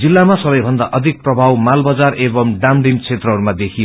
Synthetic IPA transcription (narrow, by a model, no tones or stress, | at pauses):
d͡zilːamasʌbʌjbʱʌnd̪aʔʌd̪ʱik̚prʌbʱawmalbʌd͡zarebʌmɖamɖimt͡sʰet̪rʌɦʌɾumad̪ekʰijo